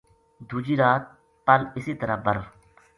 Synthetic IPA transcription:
d̪ʱuːd͡ʒiːɾaːt̪̚ | pɐlɪsiːt̪ɐɾabɐɾ

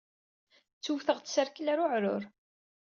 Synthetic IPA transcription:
t͡sːuwθəʁtsəɾklæɾʊʕɾʊ̰ɾ

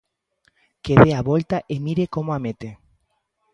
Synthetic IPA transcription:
keðeaβolt̪aʔemiɾekomoamet̪e

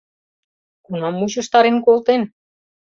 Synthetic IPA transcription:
kunɑmːuɕə̆ʃt̪ɑɾenkolt̪en

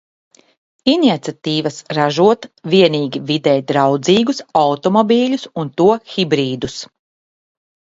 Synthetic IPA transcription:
inʲit̪sʲat̪iːvɐsɾaʒuɔt̪viɛniːɡʲivid̪ɛːjt̪̚d̪ɾawd̪ziːɡusawt̪ɔmɔbʲiːʎʲusunt̪uɔxʲibɾiːd̪us

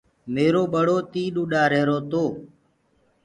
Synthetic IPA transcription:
meːɾoːɓəɽoːt̪iːɗuːɗaːɾeːɾoːt̪oː

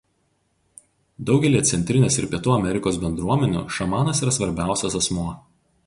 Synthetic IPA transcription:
d̪ɒʊɡʲɛlʲiɛt̪sʲɛnʲt̪ʲɾʲɪnʲeːsɪ̰ɾpʲiɛt̪uːɐmʲɛɾʲɪkoːsbʲɛnd̪ɾuɔmʲɛnʲṵːʃɐmɑːnɐsiːɾɐsʋɐɾʲbʲæˑʊsʲɛsɐsmuɔ

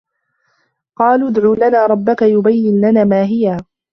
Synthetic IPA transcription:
qɑːluːd̪ʕuːlanaːɾˤɑbːakajʊbajːɪnlanaːmaːɦɪjaː

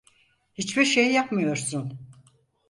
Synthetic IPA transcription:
hit͡ʃbiɾʃejːapmɯjo̞ɾsun

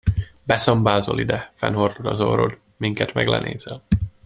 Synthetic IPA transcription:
bɛsɒmbaːzolid̪ɛfɛnhord̪od̪ɒzoːɾod̪ | miŋkɛt̪mɛɡlɛ̰nʔeːzɛl

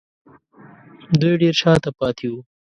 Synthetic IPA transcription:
d̪ujɖeɾt͡ʃɑːt̪apɑːt̪ʰiu

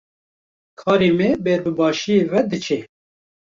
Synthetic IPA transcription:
kʰɑːɾemebeɾbɨbɑːʃijeːvɛd̪ɨt͡ʃʰe

